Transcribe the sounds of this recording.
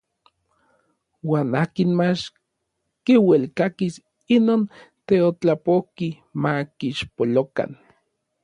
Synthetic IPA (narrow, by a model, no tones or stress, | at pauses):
waːnaːkinmat͡ʃ | kiwelkakis | inoːnt̪eot͡ɬapohki | makiʃpoloka̰n